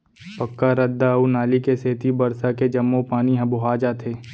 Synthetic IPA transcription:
pɐkːaɾɐd̪ːaunaːlikeseːt̪ibɐɾsaked͡ʒɐmːõpaːniɦɐ̃bʊɦaːd͡ʒat̪ʰeː

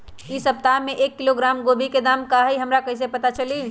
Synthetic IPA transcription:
isəp̚t̪ameʔekːiloɡɾaːmɡobʱiked̪amkaɦiɦəmɾakəɦis̬epət̪at͡ʃəli

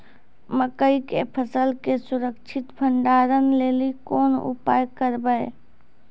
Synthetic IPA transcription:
məkəikepʰəsəlkesʊɾəkt͡ʃʰɪt̪bʱəɳɖaːɾənleːlikoːnʊ̰paːjkəɾbəe

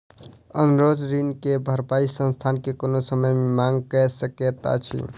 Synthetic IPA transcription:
ənɾod͡ʒɾinkebʱəɾpaisə̃nst̪ʰankekonosəməjmemaŋɡkɛsəket̪a̰t͡ʃʰḭ

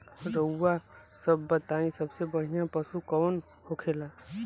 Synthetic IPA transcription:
ɾəwːasəbːət̪aĩsəbsebəɦijãpəsukɔːn | hokʰela

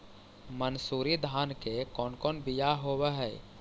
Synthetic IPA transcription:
mənsuːɾid̪ʱaːnkekɔːnkɔːnbijaɦoːweɦɛː

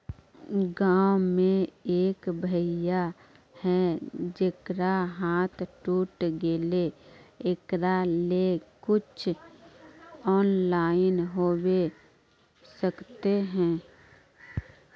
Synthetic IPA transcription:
ɡaːwmẽeːkbʱəja | hɛd͡ʒekɾaɦaːt̪ʰʈuːʈɡeleekɾalekʊt͡ʃʰ | ɔːnlaːɪnɦoːwe | səkt̪eɦɛ̃ː

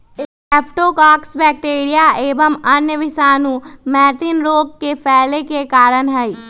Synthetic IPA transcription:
ɪ | ɛːpʰʈoːkaːksbɛːk̚ʈeːɾijaeːbəmɐnjəʋɪʃaːnũmɛːʈ̪ɪnɾoːkːepʰɛːlekekaːɾənɦɛiː

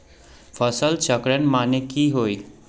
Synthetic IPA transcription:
pʰəsəlt͡ʃəkɾənmanekiɦoːi

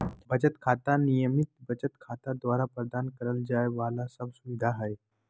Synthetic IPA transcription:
bət͡ɕət̪kʰat̪anijəmit̪̚bət͡ɕət̪kʰat̪ad̪ʋaɾapɾəd̪ankəɾəld͡ʑajʋalasəbsuʋid̪ʱaɦəj

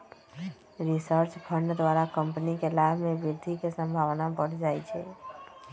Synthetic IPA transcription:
ɾisəɾt͡ʃpʰəɳɖd̪ʋaɾakəmpnikelabʱmẽbiɾd̪ʱikesə̃mbʱaʋnabəɽ̤d͡ʒaɛt͡ʃʰɛ̰

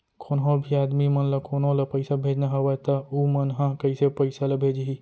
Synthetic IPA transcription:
kʰoːnɦõbʱiaːd̪mimɐnlɐkʰoːnõlɐpɐɪsabʱeːd͡ʒnaɦɐʋɐt̪ɐumɐnɦãkɐisepɐɪsalɐbʱeːd͡ʒɦi

